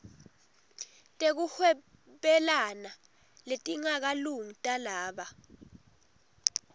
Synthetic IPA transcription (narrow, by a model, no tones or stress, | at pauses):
tʼek̬uhwɛ | ɓɛlana | letʼiŋak̬aluŋitʼalaːɓa